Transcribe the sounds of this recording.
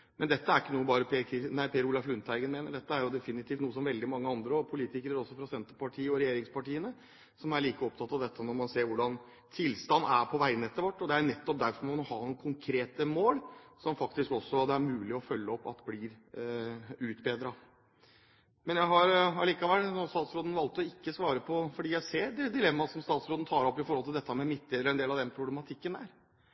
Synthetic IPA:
mɛnd̪ɛt̪ːəæɾɪkːənuːəbɑːɾəpʰekʰɪnæɪpʰeːɾulɑflʉnt̪æɪɡənmeːnəɖɛt̪ːəæɾjʊd̪ɛfɪnɪt̪ʰiːft̪nuːəs̬ɔmʋɛld̪ɪmɑŋːəɑnd̪ɾəɔpʰʊliːt̪ɪkəɾəɾɔsːɔfɾɑsɛnt̪əpɑʈʰiːəɔɾɛjeːɾɪŋspʰɑʈiːənə | sɔmæɾɭiːkəɔp̚t̪ʰɑt̪ːɑʋd̪ɛt̪ʰːənɔɾmɑnseːɾʋʊɖɑn | t̪ʰɪlst̪ɑnːæɾpʰɔʋæɪnɛt̪ːəɾʋɔʈːɔd̪ɛæɾnɛt̪ːɔp̚d̪æɾfɔɾmɑnɔhɑnuːəkʰʊŋkʰɾeːt̪əmoːlsɔmfɑkt̪ɪskɔsːɔd̪ɛæɾmʉːlɪɔfœlːəɔpːɑ̰t̪bliːɾ | ʉːt̪beːd̪ɾɑ | mɛnjæɪɦɑɾɑliːkɑʋɛlːnɔst̪ɑːt̪sɾoːd̪ən̩ʋɑlt̪ːɔɪkːəsʋɑːɾəpʰɔfɔɖiːjæɪseːɾɖɛd̪ɪlɛmːɑsɔmst̪ɑːt̪sɾod̪n̩t̪ʰɑːɾɔpːɪfɔɾhɔlt̪ɪld̪ɛt̪ːəmɛmɪt̪ʰːleːd̪əɛnd̪eːlɑʋd̪ɛnpʰɾʊblɛmɑt̪ʰɪkːənæːɾ

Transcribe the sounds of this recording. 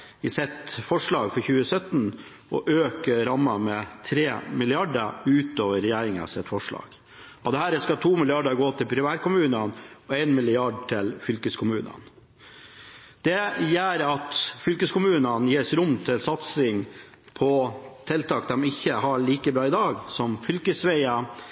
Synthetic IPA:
ɪsɛt̪fɔʂɭɑːɡfɔɾçʉːəsœt̪n | ɔ̰ʔøːkəɾɑmːɑmɛt̪ʰɾeːmɪlɪɑɖəʉːt̪oːʋəɾɛjæːɾɪŋə̰sɛt̪ːfɔʂɭɑ̰ːɡ̥ | ɔd̪ɛhæːɾɛskɑt̪ʰuːmɪlɪɑɖəɾɡoːt̪ʰɪlpʰɾɪmæːɾkʊmʉːnənɔæɪnmɪlɪɑɖʈʰɪlfʏlkəskʰʊmʉːnə̰n | d̪̥ɛjæːɾɑt̪fʏlkəskʊmʉːnənjeːsɾʊmt̪ʰɪlsɑt̪sɪŋ | pʰɔt̪ʰɛlt̪ʰɑːk̚d̪ɛmɪçːəɦɑɭiːkəbɾɑːɪd̪ɑːɡsɔmfʏlkəsʋæɪɑ

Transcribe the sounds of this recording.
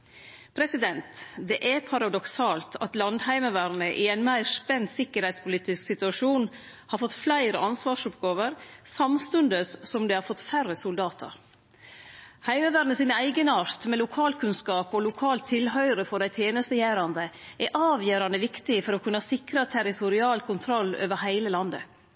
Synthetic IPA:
pʰɾɛsɪd̪ɛnt̪d̪ɛʔæɾpʰɑɾɑd̪ɔksɑːlt̪ʰɑt̪lɑnd̪hæɪməʋæɾnəʔɪæɪnmæɪɾspɛnt̪sɪkːəɾhɛɪt̪spʊliːt̪ɪsksɪt̪ʉɑʂuːn | hɑɾfɔt̪ːflæɪɾəʔɑnsʋɑːʂʊpɡɑːʋəɾsɑmst̪ʉnd̪əssɔmd̪ɛhɑɾfɔt̪ːfærəsʊld̪ɑːt̪ʰɑ̰ɾ | hæɪməʋæːɾnəsɪːnæɪɡənɑɾt̪mɛlʊkʰɑːlkʉnskɑːpɔlʊkʰɑːlt̪ʰːɪlɦœʏɾəfɔɖæɪt̪ʰjeːnəst̪əjæːɾɑnd̪əʔɛʔɑːʋjøːɾɑnd̪əʋɪkt̪ɪfɔɾɔkʰʉnːɑsɪkɾət̪ʰæɾɪt̪ʰʊɾɪɑːlkʰʊnt̪ʰɾɔlːø̰ːʋəɾhæɪləlɑnd̪ə̰

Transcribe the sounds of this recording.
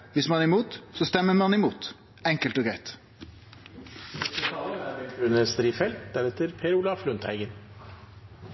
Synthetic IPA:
ʋɪsmɑnɪmuːt̪sɔst̪ɛmːəɾmɑnɪmuːt̪ | ɛŋkəlt̪oːɡɾæɪt̪ | ɑæɾɛʉnəst̪ɾiːfɛlt̪d̪æɾɛt̪əɾpʰeːɾʊlɑːflʉnt̪hæɪɡən

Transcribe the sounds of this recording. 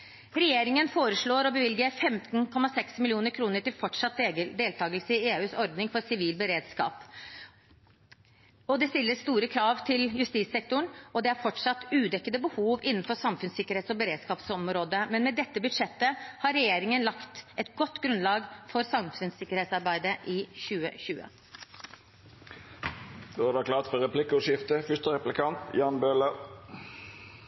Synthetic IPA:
ɾɛjeːɾɪŋənfoːɾəʂɭoːɾɔbəʋɪlɡəfɛmt̪nkʰɔmːɑsɛksmɪlɪuːnəɾkʰɾuːnəʈɪlfɔʈʂɑt̪d̪eːlt̪ʰɑːɡəlsəɪeːʉːsɔɾd̪nɪŋfɔɾsɪʋiːlbəɾeːd̪skɑ̰ːp | ɔd̪ɛst̪ɪlːəst̪uːɾəkʰɾɑːʋt̪ʰɪljʉst̪iːsɛk̚t̪ʊɳɔd̪ɛæɾfɔʈʂɑt̪ːʉːd̪ɛkːəd̪əbəhuːʋɪnːn̩fɔsɑmfʉnsɪkːəɾheːt̪sɔbəɾeːd̪skɑːpsɔmɾoːd̪əmɛnmɛd̪ɛt̪ːəbʉd̪ʂɛt̪ːəhɑɾɛjeːɾɪŋənlɑkt̪ʔɛt̪ɡɔt̪ːɡɾʉnlɑːɡfɔɾsɑmfʉnsɪkːəɾheːt̪sɑɾbæɪd̪əʔɪçʉːə̰ɕʉːə̰ | d̪̥oːɑd̪ɑkʰlɑːt̪fɔʁɛpʰlɪkəʊʃɪft̪əfʏst̪əʁɛplɪkʰɑnt̪jɑːnbøːlə

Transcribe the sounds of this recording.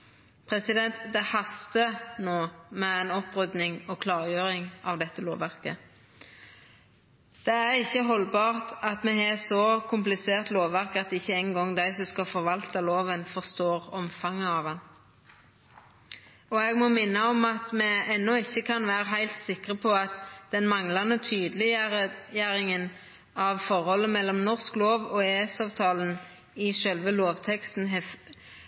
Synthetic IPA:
pʰʁɛsɪd̪ɛnt̪d̪ɛhɑst̪ənoːmɛæɪnɔpʁʉd̪nɪŋɔkʰlɑːʁjøːʁɪŋɑʋd̪ɛt̪ːəlo̰ːʋæʁkə | d̪̥ɛæɾɪçːəɦɔlbɑːʁt̪ɑt̪mɛɛsɔkʰʊmplɪseːʁt̪loːʋʋæʁkɑt̪ɪçːəɛŋɡɔŋd̪æɪsɔmskɑfɔʁʋɑlt̪əloːʋənfɔʁst̪oːʁɔmfɑŋəɑʋɑn | ɔɛɡmɔmɪnːəɔmɑt̪mɛɛnːɔɪçːəkʰɑnʋæːɾəɦæɪlt̪sɪkʁəpʰɔɑt̪d̪̥ɛnmɑŋlɑnət̪ʰyːd̪lɪjæɾɪŋən | ɑʋfɔɾhɔlːəmɛlːɔmnɔʁskloːʋɔeːsɑːʋt̪ʰɑːlən̩ | ɪʃœlʋəloːʋt̪ʰɛkst̪n̩ɦɛ

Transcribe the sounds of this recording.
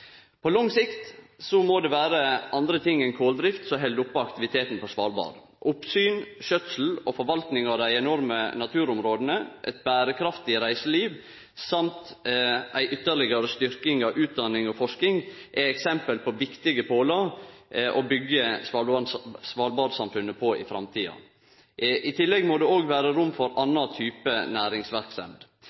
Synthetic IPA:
pʰɔlɔŋsɪkt̪sɔmoːd̪ɛʋæːɾəʔɑnd̪ɾət̪ʰɪŋːɛnkʰoːld̪ɾɪft̪sɔɦɛld̪ʊpːəɑkt̪ɪʋɪt̪ʰeːt̪n̩pɔsʋɑːlbɑ̰ːɾ | ʔʊpsyːnʃœt̪sl̩ɔfɔɾʋɑlt̪nɪŋɑʋd̪æɪɛnɔɾmənɑt̪ʰʉːɾʊmɾoːd̪ənəʔɛ̰t̪̚bæːɾəkʰɾɑft̪ɪɾæɪsəliːʋ | sɑmt̪ʔæɪʔʏt̪ːəɭɪɡəɾəst̪ʏɾkɪŋɑʋʔʉːt̪̚d̪ɑnɪŋɔfɔʂkɪŋʔæɪɛksɛmpəlpʰɔʋɪkt̪ɪɡəpʰoːlɑɾʔobʏɡːəs | sʋɑːlbɑːɾsɑmfʉnːəpʰɔɪ̰fɾɑ̰mt̪ʰiːɑ̰ | ʔɪt̪ʰɪlːɛɡmoːd̪ɛoːɡʋæːɾəɾʊmfɔɾʔɑnːɑt̪ʰyːpənæːɾɪŋsʋæɾksɛ̰md̪

